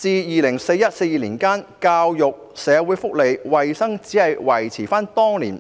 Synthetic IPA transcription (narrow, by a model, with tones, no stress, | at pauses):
t͡siː˨˧jiː˨lɪ˨˩ŋse˧jɐ˥t̚se˧jiː˨liː˨˩nkaː˥nkaː˧wjʊ˨k̚sɛː˨˧wuː˨˧jfʊ˥k̚le˨jwɐ˨jsɐ˥ŋt͡siː˨˥hɐ˨jwɐ˨˩jt͡sʰiː˨˩faː˥nt̪ɔː˥ŋlḭː˨˩n